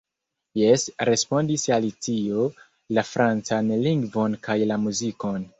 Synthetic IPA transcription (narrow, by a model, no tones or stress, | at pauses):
je̞sɾe̞spo̞ndisalitio̞ | lafɾʔant͡sanliŋɡvo̞nkajlamuziko̞n